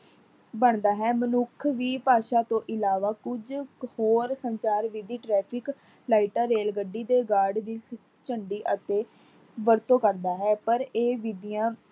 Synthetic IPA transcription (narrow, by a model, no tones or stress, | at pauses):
bəɳd̪aːɦɛːmənʊkʰʋiːpaːʃaːt̪õːʔɪlaːʋaːkʊd͡ʒhoːɾsəɲt͡ʃaːɾʋid̪iːʈɾɛːpʰɪk | laːɪʈaːɾeːlɡəɖiːd̪eːɡaːɖd̪iː | t͡ʃəɳɖiːʔət̪eː | ʋəɾt̪õːkəɾd̪aːɦɛːpəɾeːʋid̪ɪjãː